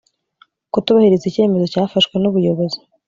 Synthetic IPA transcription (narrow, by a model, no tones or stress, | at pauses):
kutuβahiɾezice̞ːme̞zo̞caːfaʃkwe̞nuβujo̞βo̞zi̥